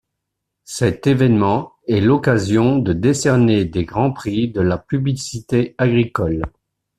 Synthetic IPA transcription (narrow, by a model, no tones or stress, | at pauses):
sɛt̪evɛnmɑ̃ | ɛlɔkazjɔ̃d̪əd̪esɛʁned̪eɡʁɑ̃pχid̪əlapyblisit̪eaɡʁikɔl